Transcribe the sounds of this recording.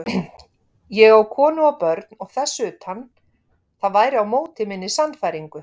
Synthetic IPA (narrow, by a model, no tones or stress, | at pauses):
jɛɣawkʰɔːnʏapœɾt̪nɔɣθɛsːʏʏːt̪hanː | θaðvaːjɾɪawmoːwt̪ɪmɪnːɪsanfajɾiŋkʏ